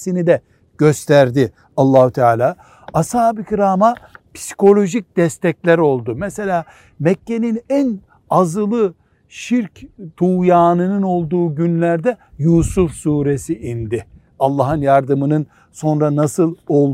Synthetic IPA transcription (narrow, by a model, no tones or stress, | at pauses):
sinid̪ɛ | ɟ̥øst̪ʰæɾd̪ɪ | ɑlˠːaːhut̪ʰaːlʲaː | ashaːbicʰiɾaːmapi̥si̥kʰo̞lʲo̞ʒic̚d̪̥ɛst̪ɛclʲæɾo̞lˠd̪ʊmɛse̞lʲaː | mɛcːe̞ninæn | azɯlˠɯ | ʃiɾct̪ʰuːjaːnɯnɯno̞lˠd̪uːɟynlʲæɾd̪ɛjuːsufsuːɾesiʔind̪ɪ | alˠːaɦɯnjaɾd̪ɯmɯnɯn | so̞nɾanasɯlˠo̞lˠ